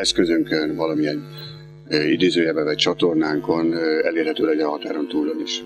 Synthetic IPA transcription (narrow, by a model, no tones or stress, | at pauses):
ɛskø̞zøŋkønvɒlɒmiɛn | id̪eːzøːjɛbɛvɒc̚t͡ʃɒt̪o̞rnaːŋko̞nɛ̰leːrhɛt̪øːlɛɟɒɦɒt̪aːɾo̞nt̪uːlːoniʃ